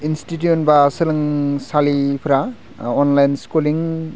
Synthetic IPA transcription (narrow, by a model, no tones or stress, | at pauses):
instit̬juonbasɯlɯŋsalipʰɾa | onlajnskuliŋ